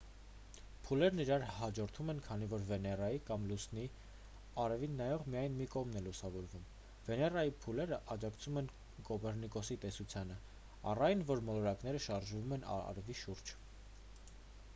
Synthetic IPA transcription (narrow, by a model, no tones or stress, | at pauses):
pʰulɛɾniɾɑɾɦɑd͡ʒɔɾt̪ʰumɛnkʰɑn̪ivɔɾvɛnɛrɑjikɑmlusni | ɑɾɛvinːɑjɔʁmijɑjnmikɔʁmnɛlusɑvɔɾvum | vɛnɛrɑjipʰulɛɾəʔɑd͡ʒɑkt͡sʰumɛn | kɔbɛɾnikɔsit̪ɛsut͡sʰjɑnə | ɑ̰rɑjnvɔɾmɔlɔɾɑkn̪ɛɾəʃɑɾʒvumɛnɑ̰ɾɛviʃuɾd͡ʒ